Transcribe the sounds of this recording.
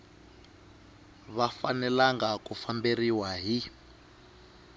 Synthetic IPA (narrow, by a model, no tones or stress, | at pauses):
βafanɛlaŋɡakufamberiwaɦi